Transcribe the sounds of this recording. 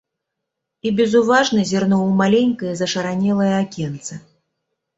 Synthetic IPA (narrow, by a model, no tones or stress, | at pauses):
ibʲɛzuvaʐnɨzʲɪrnuwmalʲenʲkɐjɐzɐʂɐɾanʲɛlˠɐjɐakʲɛnt̪sɐ